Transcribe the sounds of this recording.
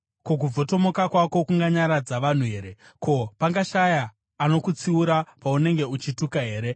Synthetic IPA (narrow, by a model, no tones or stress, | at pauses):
kok̬ub͡vo̞to̞mo̞kakwako̞kuŋɡaɲaɾad͡zaʋan̤uɦe̞ːɾe̞ | ko̞paŋɡaʃajaː | no̞kut͡siuɾapaune̞ŋɡe̞ut͡ʃitukaɦe̞ːɾe̞